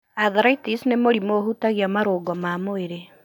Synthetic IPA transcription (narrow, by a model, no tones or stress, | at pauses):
aðɾaitisnemoɾimohutaɣjamaɾoːɡɔmaːmoeɾe